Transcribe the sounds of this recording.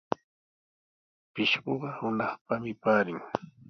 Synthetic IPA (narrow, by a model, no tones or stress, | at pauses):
pɪʃɢoɢɑhʊnɑχpamɪpaːɾɪŋ